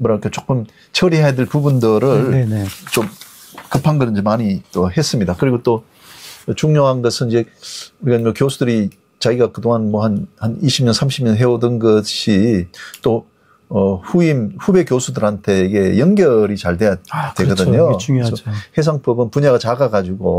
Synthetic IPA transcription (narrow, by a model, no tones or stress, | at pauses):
mʌɾak͈et͡ɕok͈ɯm | t͡ɕʰʌɾiɦejade̞ɭpubundɯɾɯɭt͡ɕom | kɯpʰanɡʌnind͡ʑemaɲit͈ohe̞s͈ɯmɲidakɯɾiɡot͈o | t͡ɕuŋɲoɦanɡʌsʰɯnid͡ʑe̞uɾikaɲimjokjosʰudɯɾi | t͡ɕaiɡakɯdoŋɦannmwʌhanhaniɕʰibmɲʌnsʰamɕʰibɲʌnɦe̞odɯnɡʌɕʰit͈o | ʌhuimhube̞kjosʰudɯɾantʰe̞iɡe̞jʌŋɡjʌɾit͡ɕaɭdwe̞jad̥we̞ɡʌdɯɲosʰʌhesʰaŋp͈ʌbɯnpuɲaɡat͡ɕaɡaɡad͡ʑuɡo